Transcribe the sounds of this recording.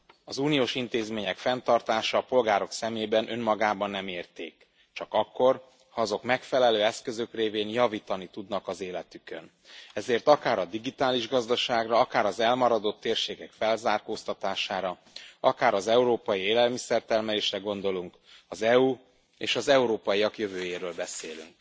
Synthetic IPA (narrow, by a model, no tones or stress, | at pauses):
ɒzuːnijoːʃint̪eːzmeːɲɛkfɛnt̪ɒrt̪aːʃɒːpo̞lɡaːɾo̞ksɛmeːbɛnʔø̞mːɒɡaːbɒnːɛmeːrt̪eːk | t͡ʃɒkɒkːo̞r | hɒɒzo̞kmɛkfɛlɛløːɛskø̞zø̞kreːveːnjɒviːt̪ɒnit̪ud̪nɒkɒzeːlɛt̪ykø̰n | ɛzeːrt̪ɒkaːɾɒd̪iɡit̪aːliʒɡɒzd̪ɒʃaːɡrɒɒkaːɾɒzɛlmɒɾɒd̪o̞t̪ːeːrʃeːkɛkfɛlzaːrkoːst̪ɒt̪aːʃaːɾɒ | ɒkaːɾɒzɛuɾoːpɒjieːlɛlmisɛrt̪ɛrmɛleːʃrɛɡo̞nd̪o̞luŋk | ɒzɛu | ḛːʃɒzɛuɾoːpɒjiɒkjøvøːjeːɾøːlbɛseːly̰ŋk